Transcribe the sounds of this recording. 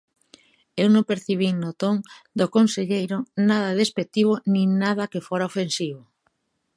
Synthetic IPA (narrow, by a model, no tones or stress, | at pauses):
ewnõmpeɾθiβ̞iŋnot̪oŋd̪okonseʎejɾʊnaðaðespek̚t̪iβ̞onĩŋnaðakefoɾaofensiβo